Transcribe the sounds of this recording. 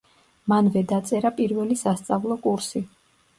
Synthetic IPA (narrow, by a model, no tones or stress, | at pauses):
manvɛd̪at̪sʼɛɾapʼiɾvɛlisast̪sʼavlˠɔkʼuɾsi